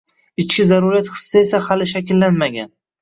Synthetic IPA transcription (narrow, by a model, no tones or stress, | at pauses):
ɪt͡ʃkʲɪzaɾuɾijat̪χɨ̥sːɪe̞sahalɪʃakʲɪlːanmaɡʲa̰n